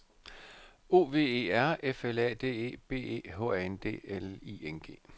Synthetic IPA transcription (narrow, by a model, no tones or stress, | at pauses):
o̝ːʋe̝̰ːe̝̰ːæɐ̰efelɛ̰ːd̥e̝̰ːe̝̰ːb̥e̝̰ːe̝̰ːɦɔ̰̽ɛend̥e̝̰ːelḭenɡ̥e̝̰ː